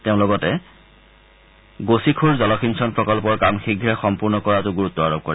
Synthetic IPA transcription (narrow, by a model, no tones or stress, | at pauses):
teʊ̃lɔɡɔtɛ | ɡosikʰuɹzɔlɔkʰinsɔnpɹɔkɔlpɔɹkamxiɡʱːɛxɔmpuɹnɔkɔɹatʊɡuɹutːɔaɹob̚kɔɹɛ